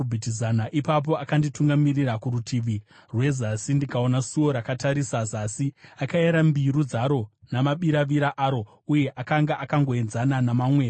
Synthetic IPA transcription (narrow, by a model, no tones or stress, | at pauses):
bʱitizanaʔipap̬o̞akandituŋɡamirirakuɾutʰiːʋirwe̞zasindikao̞nasuo̞ɾakataɾisazasiakaeɾambiɾud͡zaɾo̞namaɓiɾaʋiɾaʔaːɾo̞ | uje̞ʔakaŋɡaʔakaŋɡo̞enzananamaːmweː